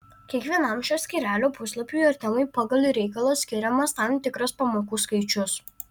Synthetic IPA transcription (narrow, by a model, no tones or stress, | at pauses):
kʲiɛkʋʲiɛnɐmʃʲoːsʲkʲiːɾʲæːlʲoːpʊslˠɐpʲujɐɾʲt̪ʲɪmɐɪpɑːɡɐlʲˠiɾʲɛɪkɐlˠosʲkʲɪɾʲɛmɐst̪ɐmt̪ʲɪkɾɐspɐmoːkuːskɐɪt͡ʃʲʊs